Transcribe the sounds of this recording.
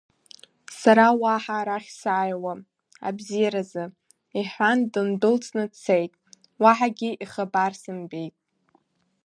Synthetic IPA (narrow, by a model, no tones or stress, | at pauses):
saɾawaħaːɾaχʲsaːjwa | a̰bzijaɾazɨ | iħʷandɨndɨlt͡sʰʼnɨt͡sʰejtʼ | waħaɡʲiʔiχabarsɨmbe̞jtʼ